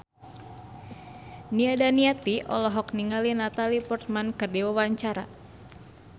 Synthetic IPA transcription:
niadaniat̪iʔɔ̰lɔɦɔkniŋalinat̪alipɔrt̪̚mankɨrdiwawaɲt͡ʃaɾa̰

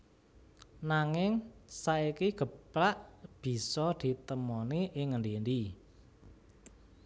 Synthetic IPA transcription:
naŋɪŋsaikiɡ̥ə̤pɾaʔb̥i̤sɔd̪̥i̤t̪əmɔniʔɪŋənd̪end̪i

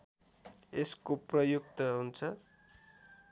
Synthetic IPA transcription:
eskoprʌjuk̚t̪ʌɦunt͡sʰʌ

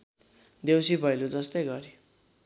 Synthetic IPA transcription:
d̪ewsibʱʌjlud͡zʌst̪ʌjɡʌɾi

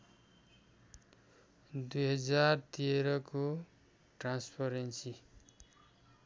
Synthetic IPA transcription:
d̪ujɦʌd͡zart̪ieɾʌko | ʈranspʰʌɾensi

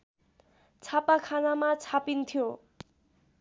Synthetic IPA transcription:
t͡sʰapakʰanamat͡sʰapint̪ʰjo

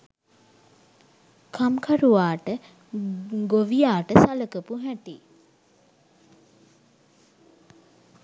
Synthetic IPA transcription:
kʰamkʰaɾuʋaːʈə | ɡoʋijaːʈəsaləkəpuɦæʈi

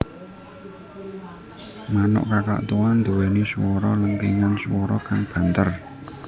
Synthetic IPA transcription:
manʊ̰ʔkaka̰ʔt̪uwand̪owɛneswɔɾɔlənkiŋanswɔɾɔkaŋb̥a̤nt̪ər

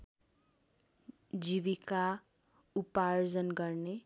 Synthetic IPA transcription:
d͡ziβika | upard͡zʌnɡʌrne

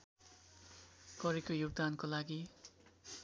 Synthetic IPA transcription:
kʌɾekojuɡ̚d̪ankolaɡi

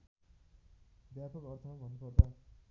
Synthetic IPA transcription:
bjapʌkʌrt̪ʰʌbʱʌnːupʌrt̪a

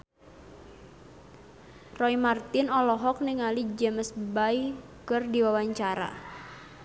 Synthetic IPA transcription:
rɔimart̪ɪnɔlɔɦɔk̚niŋalid͡ʒəməsbai | kɨrdiwawaɲt͡ʃaɾa̰

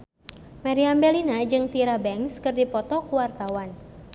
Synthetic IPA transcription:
maɾiambɛlinad͡ʒɨŋt̪iɾabɛŋskɨrdipɔt̪ɔkuwart̪awan

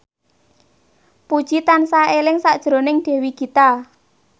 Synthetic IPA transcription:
pud̥ʒ̥it̪ansaelɪŋsaʔd̥ʒ̥ɾo̤nɪŋɖ̥ɛ̤wiɡ̥it̪a

